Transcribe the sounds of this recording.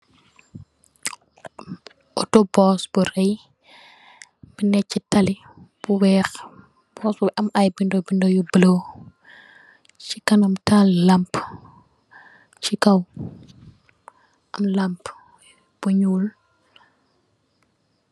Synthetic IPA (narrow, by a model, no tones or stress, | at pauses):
ʔɔtɔbɔːsb̥urɛj | binɛcːitɐli | b̥uwɛːx | b̥ɔsbʔɐmajbindobindɔjubəlo | t͡ʃikɐnɐmtallɐmp | t͡ʃikɐw | ɐmlɐmp | b̥uɲuːl